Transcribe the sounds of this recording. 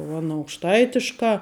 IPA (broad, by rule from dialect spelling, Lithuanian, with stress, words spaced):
ʊ ɐˈnɐ ɐʊkʃˈtɐɪtʲɪʃkɑː